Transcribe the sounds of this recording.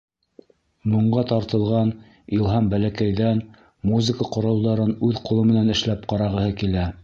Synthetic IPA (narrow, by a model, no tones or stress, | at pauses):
muɴɢɑt̪ɑɾt̪ɤ̆lˠʁɑn | ilˠɦɑmbælækæjðæn | muzɘkəqŏɾɑw̪ˠd̪ɑɾɤnʉðqŏlˠɤmɘ̆nænɘ̆ʃlæp̚qɑɾɑʁɤ̆hɤkilæ